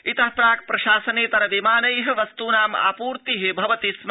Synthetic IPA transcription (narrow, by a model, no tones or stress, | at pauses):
it̪ɐɦpɾaːk̚pɾɐʃaːsɐneːt̪ɐɾɐʋimaːnɐjɦɐ̆ʋɐst̪uːnaːma̰ːpuːɾt̪iɦebʱɐʋɐt̪ism